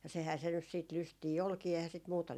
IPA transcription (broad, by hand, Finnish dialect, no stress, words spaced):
jɑ sehæː se nys siːt lystiː olkiː ehæː sit muːtɑ